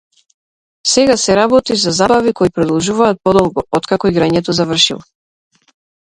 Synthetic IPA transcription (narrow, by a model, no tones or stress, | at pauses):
sɛɡasɛɾabɔt̪izazabavikɔipɾɔd̪ɔlˠʒuvaːt̪̚pɔd̪ɔlˠɡɔɔt̪kakɔiɡɾaɲɛt̪ɔzavr̩ʃḭlˠɔ